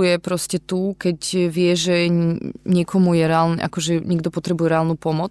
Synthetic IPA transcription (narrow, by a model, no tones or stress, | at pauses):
ujɛpɾɔscɛt̪ukɛcʋɪɛʒɛ | ɲɛkʰɔmujɛɾɛalnɛ̰ʔa̰kɔʒɛɲɛɡd̪ɔpɔt̪ɾɛbujɛɾɛaːlnupɔmɔt͡s